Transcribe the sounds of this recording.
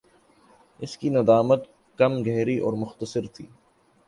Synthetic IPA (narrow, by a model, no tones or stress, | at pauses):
ɪskinɐd̪aːmət̪ | kɐmɡʱɛɦɾiʔɔ̰ːɾmʊxt̪əsɪɾt̪ʰiː